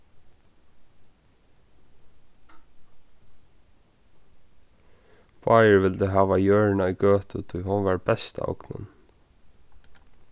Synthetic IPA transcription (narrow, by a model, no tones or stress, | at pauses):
paːjəɹʋɪld̪əɦaːʋajœːɹnaʊjɡøːt̪ʊt̪ʰʊjɦʊnʋaɹbɛst̪a̰ɔ̰knʊ̰n